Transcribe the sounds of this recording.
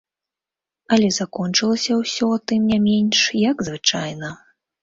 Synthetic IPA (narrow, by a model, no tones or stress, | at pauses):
ɐlʲɛzakɔnt͡ʂɨlˠɐsʲɐwsʲɔt̪ɨmnʲamʲenʲʂjɐɡzvɨt͡ʂajnɐ